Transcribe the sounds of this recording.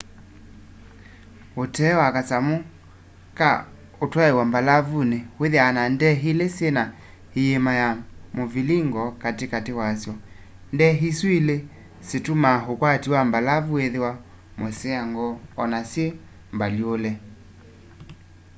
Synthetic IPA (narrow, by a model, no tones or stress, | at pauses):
otɛwakasamo | ka̰ | otwaewambalavuneweðeanandɛɦilesjena | hijemajamoviliŋɡɔkatekatewasjɔ | ndɛɦiswile | setumaɦokwatiwambalavueðewa | meseaŋɡɔɔnasje | mbaljolɛ